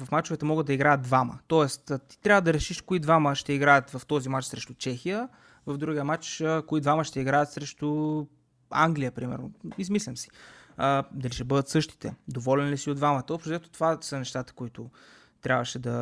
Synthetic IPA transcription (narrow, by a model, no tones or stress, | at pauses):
vɐfmat͡ʃʊvɛt̪əmɔɡəd̪d̪ɐiɡɾajət̪d̪̚d̪vamə̰t̪ɔɛst̪ːt̪i̥t̪ɾʲabvəd̪ɐɾɛʃiʃkoid̪vaməʃt̪ɛiɡɾajət̪vɐft̪ɔzimat͡ʃsɾɛʃt̪ʊt͡ʃɛxijə | vɐvd̪ɾuɡijəmat͡ʃəkoid̪vaməʃt̪ɛiɡɾajət̪sɾɛʃt̪ʊ | a̰ŋɡlijəpɾimɛ̰ɾnʊ̰izmislʲəmsi̥əd̪ɐliʃɛbɤd̪ət̪sɤʃt̪i̥t̪ɛ̰d̪ovɔlɛnlisiod̪vamət̪əopʃɛt̪o̥t̪ovasənɛʃt̪at̪ə̥koit̪ʊ | t̪ɾʲabvəʃɛd̪ɐ